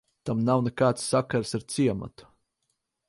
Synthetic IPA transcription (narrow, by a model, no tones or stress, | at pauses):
t̪amnawnɛkaːt̪sːakaɾsaɾt̪siɛma̰t̪u̥